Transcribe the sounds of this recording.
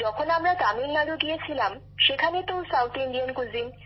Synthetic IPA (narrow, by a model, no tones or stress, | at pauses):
d͡ʑɔkʰonamɾat̪amilːaloɡijet͡ɕʰilam | ʃekʰanet̪osawt̪iɳɖijankud͡ʑin